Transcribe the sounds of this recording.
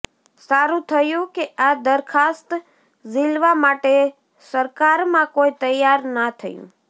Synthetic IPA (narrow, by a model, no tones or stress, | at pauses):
saɾũt̪ʰəjũkead̪əɾkʰast̪ | zilʋamaʈe | səɾkaɾmãkoit̪əjaɾnat̪ʰəjṵ̃